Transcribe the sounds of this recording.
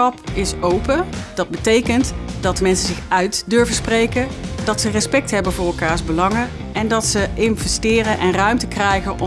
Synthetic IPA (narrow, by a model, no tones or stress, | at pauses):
ɑpɪsowpəd̥ɑd̚bətejkəntdɑt̚dəmɛnsəzɪxœɥtdøɹvəsprejkədɑtsərɛspɛk̚tɦɛbənvʊːɹrɛlˠkaːɹzbəlɑŋə | ɛndɑtsəʔɪnvɛstɪːrənʔɛnrœɥmtəkrɛjχənʔɔ